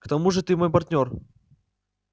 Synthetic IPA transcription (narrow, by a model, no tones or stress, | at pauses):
kt̪ɐmuʐɨt̪ɨmo̞jp̬ɐrt̪ʲnʲo̞r